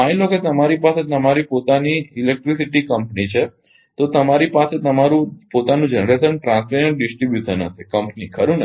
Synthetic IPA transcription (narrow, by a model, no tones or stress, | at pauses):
ãiloket̪əmaɾipaset̪əmaɾipot̪aniilek̚ʈɾisiʈikəmpnit͡ʃʰe | t̪ot̪əmaɾipaset̪əmaɾũpot̪anũd͡ʒənɾesənʈɾãnsmenənɖɪsʈɾibjuʃənə̰t̪ʰikəmpnikʰəɾũnə